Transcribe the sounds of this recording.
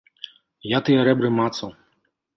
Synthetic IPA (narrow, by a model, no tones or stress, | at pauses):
jat̪ɨjɐɾɛbɾɨmat̪sɐw